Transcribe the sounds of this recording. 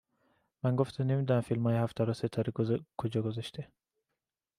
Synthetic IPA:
mæŋɡoft̪ʰenemid̪ɒnæmfilmɒːjehæft̪ʰæɾɒset̪ʰɒɾikʰod͡ʒɒːɡozæʃt̪ʰe

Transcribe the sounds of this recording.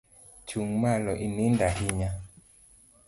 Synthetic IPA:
t͡ʃuŋmalɔʔinindahiɲa

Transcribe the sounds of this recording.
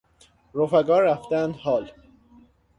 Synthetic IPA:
ɾofæɡɒːɾːæft̪ænd̪hɒːl

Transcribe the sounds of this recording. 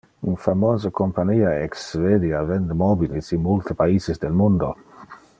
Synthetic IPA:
unfamoːzakompaɲiːaeksved̪javɛnd̪emɔbilisinmult̪epaizezd̪elmund̪o

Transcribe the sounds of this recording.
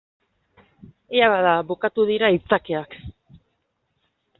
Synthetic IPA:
eaβaðaβukat̪uð̞iɾait͡sakeak

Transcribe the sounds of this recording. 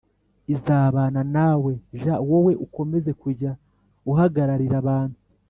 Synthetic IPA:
izaːβaːnanawe̞ʒawowe̞ʔuko̞me̞ze̞kuɾɟa | uɦaɡaɾaɾiɾaβaːnhu

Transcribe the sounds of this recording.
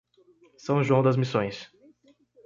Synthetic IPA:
sɐ̃w̃ʒuɐ̃w̃d̪ɐzmisõj̃s

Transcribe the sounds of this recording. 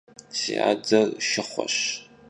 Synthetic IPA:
siaːd͡zɐrʃɪχʷɔ̰ɕ

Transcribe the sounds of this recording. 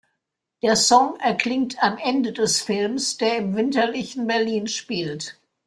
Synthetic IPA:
d̥eːɐsɔŋɛɐkʰl̥ɪŋ̚tʰamʔɛndədɛsfɪlmsd̥eːɐɪmvɪntɐlɪçn̩bɛɐliːnʃpiːlt

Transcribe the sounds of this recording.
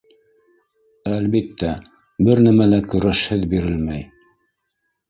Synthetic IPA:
ælbit̪ːæ | bɘɾnæmælækɵ̆ɾæʃhɘðbiɾɘlmæj

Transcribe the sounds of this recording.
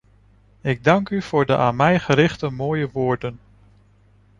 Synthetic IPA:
ɪɡ̚dɑŋkyv̥ʊːɹdəʔaːnmɛjχəɾɪχtəmoːjəʋʊːɹdən

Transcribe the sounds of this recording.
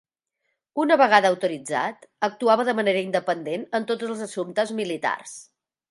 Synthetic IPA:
unəβəɣ̞aðəəwt̪uɾid͡za̰t̪ək̚t̪uaβəðəməneɾəind̪əpənd̪enənt̪otd͡zəlˠzəsumt̪əzmilit̪a̰rs

